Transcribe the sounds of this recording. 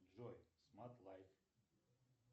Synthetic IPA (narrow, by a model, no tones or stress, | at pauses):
ɔjsmat̪lˠajk